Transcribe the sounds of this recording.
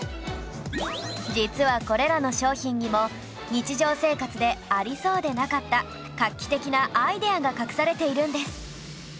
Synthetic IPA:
d͡ʑit͡sɨβako̞ɾe̞ɾano̞ɕo̞ːçĩɲɲimo̞ | ɲ̟it͡ɕiʑo̞ːse̞ːkat͡sɨd̪e̞aɾʲiso̞ːd̪e̞nakat̪ːa | kakʲːi̥t̪e̞kʲinaʔaid̪e̞aɡakakɯ̟̥saɾe̞t̪e̞iɾɯ̟̃nd̪e̞sɨ̥

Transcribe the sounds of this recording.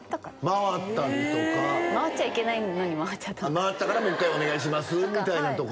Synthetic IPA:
maβat̪ːaɾʲit̪o̞kamaat͡ɕaike̞nainoɲ̟imaβat͡ɕt͡ɕat̪ːamaβat̪ːakaɾamokːaio̞ne̞ɡaiɕ̬imasɨmʲit̪ainat̪o̞k

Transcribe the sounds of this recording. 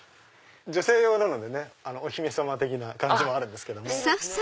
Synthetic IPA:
d͡ʑo̞se̞ːjo̞ːnano̞d̪e̞ne̞ano̞oçʲimesamat̪e̞kʲinakãd͡ʑimoaɾɯ̟̃nd̪e̞sɨ̥ke̞d̪o̞mo

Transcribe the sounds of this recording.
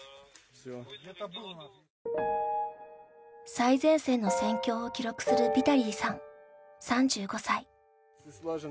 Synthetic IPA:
saizẽ̞ɰ̃se̞ːno̞sẽ̞ŋkʲo̞ːkʲiɾo̞kɯ̟̥sɨɾɯ̟bʲit̪aɾʲiːsãŋ | sãɲ̟d͡ʑɨːɡo̞sai

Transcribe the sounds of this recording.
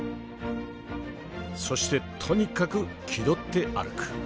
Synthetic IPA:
so̞ɕi̥t̪e̞t̪ʰo̞ɲ̟ikakɯ | kʲʰid̪o̞t̪ːe̞ʔa̰ɾɯ̟kɯ̥

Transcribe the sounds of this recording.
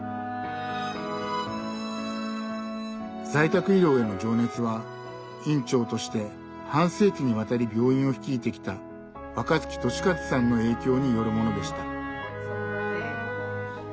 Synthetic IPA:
zait̪akɯ̟iɾʲo̞ːe̞no̞d͡ʑo̞ːne̞t͡sɨβa | ĩɲt͡ɕo̞ːt̪o̞ɕi̥t̪e̞ | hãɰ̃se̞ːkʲiɲ̟iβat̪aɾʲibʲo̞ːĩɰ̃o̞çi̥kʲiːt̪e̞kʲi̥t̪a | βakazɨ̥kʲi̥t̪o̞ɕi̥kat͡sɨ̥sãnːo̞e̞ːkʲo̞ːɲ̟ijo̞ɾɯ̟mo̞no̞d̪e̞ɕi̥t̪a

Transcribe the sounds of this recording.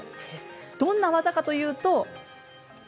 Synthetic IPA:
d̪̥õ̞nːaβazakat̪o̞jɯ̟ːt̪o̞

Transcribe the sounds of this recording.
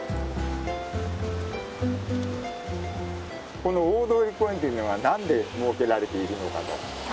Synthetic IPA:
ko̞no̞oːd̪oːɾʲikːoẽnt̪einoβanãnd̪e̞moːke̞ɾaɾe̞t̪e̞iɾɯ̟no̞ka̰t̪o̰

